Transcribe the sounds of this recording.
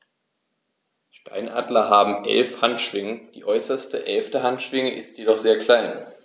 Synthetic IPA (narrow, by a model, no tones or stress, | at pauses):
ʃta̰ɪnʔa̰ːdlɐɦaːbm̩ʔɛ̰lfhantʃv̥ɪŋəd̥iːʔɔʏsɐstəʔɛlftəɦantʃv̥ɪŋəʔɪstjedɔχz̥eːɐkl̥aɪn